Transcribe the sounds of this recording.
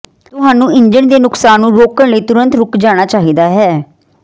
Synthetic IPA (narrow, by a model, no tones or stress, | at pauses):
t̪ʊɦaːnũːɪɲd͡ʒəɳd̪eːnʊksaːnːũːɾoːkəɳləiːt̪ʊɾə̃nt̪ɾʊkd͡ʒaːɽ̃aːt͡ʃaːɦiːd̪aːɦɛː